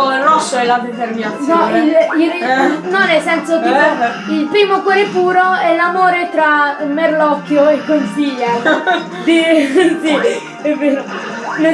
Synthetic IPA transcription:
rɔsːoɛlːad̪ezeɾminanɔilinɔnesːɛnsot̪uo | ilpɾiːmokwɔːɾepuːɾoɛlamoːɾet̪ɾamerlɔkːjoekːonsiʎːa | d̪isi | ɛveːɾo | ne

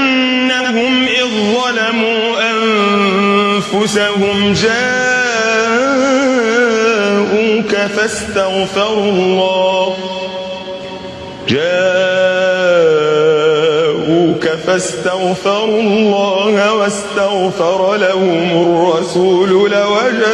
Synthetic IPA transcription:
ʔanː | ahʊmʔɪðˤːɑlamuː | ʔan | fʊsahʊmd͡ʒaː | ʔuːkafast̪aɣfɑɾˤʊlˤːɑːh | d͡ʒaː | ʔuːkafast̪aɣfɑɾˤullˤːɑːhwast̪aɣfɑɾˤɑlahʊmʊrˤːɑsuːlʊlawad͡ʒa

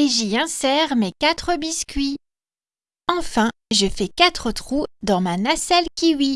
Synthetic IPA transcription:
eʒiɛ̃sɛʁmɛkat̪χəbiskʲɥi | ɑ̃fɛ̃ʒəfɛkat̪χət̪χud̪ɑ̃manasɛlkʲiwi

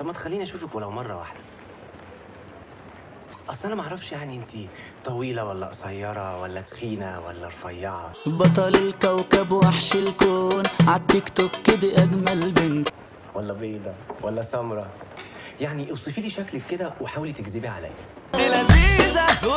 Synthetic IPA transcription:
fɑmːæt̪e̥xælːiːniʔæʃuːfækwelæwmɑrˤːɑwa̰ħd̪æ̥ | ʔɑsˤːʔænæmæʔaʕɾˤɑfʃjaʕniʔent̪i | t̪ˤɑwiːlæwælːæ̰ʔsɑjːɑɾˤɑwælːæt̪xiːnæwæ̰lːæɾˤfɑjːɑʕɑ̰bɑt̪̬ˤɑlɪlkæwkæbwaħʃɪlkoːnʕad̪̚t̪ːekt̪ob̚ked̪æʔæɡmælbent̪ | wælːæbeːd̪æwælːæsæmɾˤɑ | jaʕniʔewsˤifiːliːʃækleːed̪æweħaːwlit̪eɡzibiʕa̰læ̰ːjæ | elæziːzæ

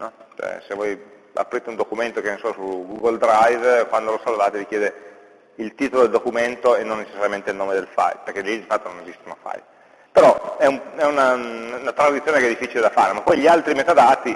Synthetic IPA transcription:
nɔt͡ʃɛ̰sevoj | a̰pːɾiːt̪eund̪okument̪okenesɔsuɡuɡold̪ɾajvkwand̪olosalvaːt̪evikjeːd̪e | ilt̪iːt̪olod̪eld̪okument̪oenːonːet͡ʃesːaɾjament̪eilnoːmed̪elfa̰jperkeliiɱfat̪ːononezist̪una̰fa̰j | peɾɔɛuɛunaunat̪ɾad̪it̪sjoːnekɛd̪ifːit͡ʃiled̪afa̰ːɾemapːɔjʎialt̪ɾimet̪ad̪aːt̪i

